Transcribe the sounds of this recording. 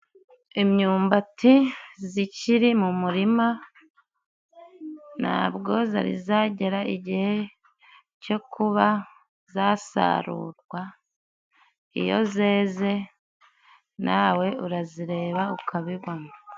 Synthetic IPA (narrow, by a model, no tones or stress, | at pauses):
emɲuːmbatiziciɾimumuɾima | na̰ːβɡo̞za̰ɾḭzaːɟe̞ɾaiɟihe̞ | co̞kʰuβa | zasa̰ɾṵːɾɡwa | ḭjo̞̰ze̞ːze̞ | nʔawe̞uɾaziɾe̞ːβaukʰaβiβwana